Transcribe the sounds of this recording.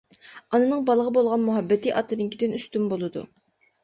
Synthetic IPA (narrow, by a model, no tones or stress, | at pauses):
ɑnɨnɨŋbɑlˠəʁəbolˠʁɑnmuɦɛbːɛt̪iʔɑt̪ʰːɨd̪ɪŋkʲid̪ɪnyst̪ymbolˠɨd̪ṵ